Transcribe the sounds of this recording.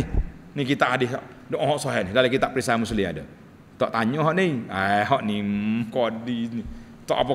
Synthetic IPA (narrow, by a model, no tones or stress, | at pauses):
nikit̪aʔadɪh̪ɔʔ | doʔɔɦɔʔsɔɦanidalakit̪aʔpɾisamuslia̰də | t̪ɔ̰ʔt̪aɲɔɦɔʔniaɦɔʔnimkɔdini | t̪ɔʔapa